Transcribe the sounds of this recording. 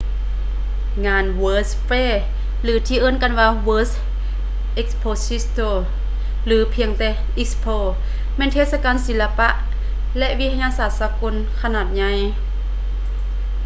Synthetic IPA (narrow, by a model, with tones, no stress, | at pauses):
ŋaː˧nwɤː˧sfeː˧˨ | lɯː˨˦t̪ʰiː˧˨ʔɤː˧˥˨nka˧˨nwaː˧wɤː˧˥s | ʔe˧k̚spʰoː˧si˧˥st̪oː˧˩ | lɯː˨˦pʰi˧əŋt̪ɛː˧ | ʔi˦˧k̚spʰoː˧˩ | mɛː˧˥˨nt̪ʰeː˧˩sa˧kaː˧˨nsi˨˦la˧pa˧˥ʔ | lɛ˧˥ʔwi˧˥t̪ʰa˧ɲaː˧saː˨˩t̪̚saː˧˦ko˧˥˨n | kʰa˧naː˨˩t̪̚ɲa˧j